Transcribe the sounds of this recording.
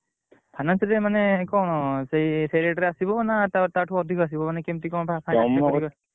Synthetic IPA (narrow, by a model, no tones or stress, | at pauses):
pʰajnansɾemanekɔɽ̃sejsʰejɾeʈɔɾeasibɔnat̪at̪aʈʰuɔd̪ʱikas̬ibɔmanekemtikɔ̃pʰapʰajɔamɔkɔ